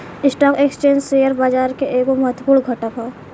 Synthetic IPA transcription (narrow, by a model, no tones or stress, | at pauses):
ɪsʈaːkekst͡ʃẽːɲd͡ʒseːjəɾbaːd͡ʒaːɾkeʔeːkomɐɦət̪wpuːɽɡʱɐʈapʰaː